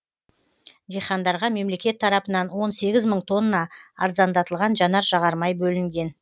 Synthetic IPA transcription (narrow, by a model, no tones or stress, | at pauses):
d̪ejχɑnd̪ɑɾʁɑme̞mle̞kʲe̞t̪ʰːɑɾɑpənɑnwo̞nse̞ɡʲɪzməɴt̪ʰo̞nːɑɑ̰ɾzɑnd̪ɑt̪əlˠʁɑnʒɑnɑɾʒɑʁɑɾmɑjbɵlɪŋɡʲe̞n